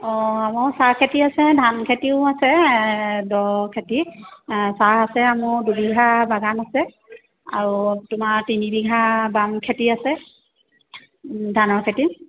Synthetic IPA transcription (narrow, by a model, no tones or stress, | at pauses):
ɔamɔɹsakʰetiasɛdʱankʰetiʊasɛ | dɔkʰeti | saasɛamʊdubiɡʱabaɡanasɛ | a̰ɹutʊmatinibiɡʱabamkʰetiasɛ | dʱanɔɹkʰeti